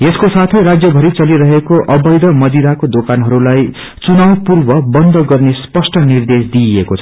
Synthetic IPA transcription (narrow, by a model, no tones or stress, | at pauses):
eskosat̪ʰejɾad͡zjʌbʱʌɾit͡sʌliɾʌɦekoʔʌbʌjd̪ʌmʌd̪iɾakod̪okanɦʌɾulaj | t͡sunawpurbʌbʌnd̪ʱʌɡʌrnespʌsʈʌnird̪esd̪iekot͡sʰʌ̥